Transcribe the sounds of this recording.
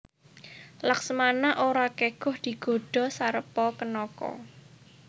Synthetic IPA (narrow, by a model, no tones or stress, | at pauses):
laksəmanaʔoɾakeɡ̥ʊ̤hd̪̥i̤ɡ̥o̤ɖ̥ɔ̤saɾəpɔkənɔkɔ̰